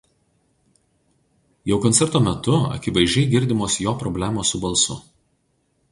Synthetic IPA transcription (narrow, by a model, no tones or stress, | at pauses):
jɛʊkɔnt̪sʲɛɾt̪oːmʲɛt̪ʊɐ̰kʲɪʋɐɪʒʲd͡ʒʲɛɪɡʲɪɾʲd̪ʲɪmoːsjoːpɾɔbʲlʲæːmoːsʊbɐlˠsʊ̰